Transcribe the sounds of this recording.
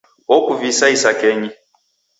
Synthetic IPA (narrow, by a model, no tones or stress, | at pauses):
ɔkuvisaisakɛɲi